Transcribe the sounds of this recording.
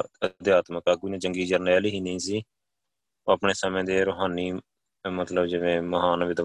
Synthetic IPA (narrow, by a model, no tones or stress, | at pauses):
əd̪ɪjaːt̪məkaːɡunãːd͡ʒəŋɡiːd͡ʒəɾnɛːliːɦiːnĩːsiː | õːəːpɳeːsamẽːd̪eːɾoːɦaːniː | mət̪ləbd͡ʒɪʋẽːməɦaːnʋɪd̪ə